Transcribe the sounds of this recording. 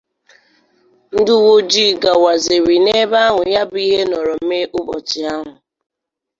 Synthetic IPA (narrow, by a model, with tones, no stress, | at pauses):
n̩˦dʊ˦wo˦d͡ʒi˦˨ɡa˨wa˨ze˨ɾi˨ne˦ba˦a˦ɦʊ˨ja˦bi˦ɦe˦nɔ˨ɾɔ˨m̩˦me˦ʔʊ˦bɔ˨t͡ʃɪ˨a˦ɦʊ˨